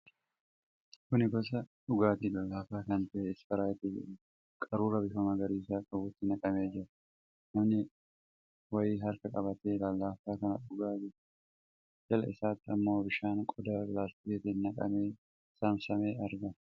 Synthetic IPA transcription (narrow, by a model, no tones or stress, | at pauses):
kʊnɪɡɔs̬ɐᶑʊɡaːt̪iːlalːaːfaːkɐnt̪ɐʔeːɪsfɐɾaːjt̪ɪd͡ʒɪ̰ɾ | kʼɐɾuːɾɐbɪfɐmɐɡɐɾiːsaːkʼɐbʊt̪ːɪnɐkʼɐmeːd͡ʒɪɾɐ | nɐmnɪ | wɐjiːɦɐɾkɐkʼɐbɐt̪eːlalːaːfaːkɐnɐᶑʊɡaːd͡ʒɪɾ | d͡ʒɐlɐ̰ʔɪsaːt̪ːɪɐmːo̞ːbɪʃaːnkʼɔd̪aːlaːst̪ɪɛt̪ɪnnɐkʼɐ̰meː | saːmsɐme̞ːɐɾɡɐ